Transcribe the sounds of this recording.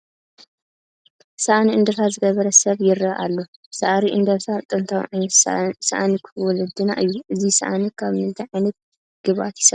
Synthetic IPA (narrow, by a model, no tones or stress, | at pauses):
sɐʔaniɨnd̪ɐɾt̪ʰazɨɡɐβɐɾɐsɐβjɪɾɐʔalːo̞ | sɐʔaɾiʔɨnd̪ɐβsʰat̪ʼɨnt̪ʰawʕajnɐsa̰ʔanikʰwɔlɐd̪ːɨna̰ʔɨjːuʔɨzisɐʔanikʰaβmɨt̪iʕajnɐt̪̚ | ɡ̥ɨβa̰t̪jɪ̥sɐ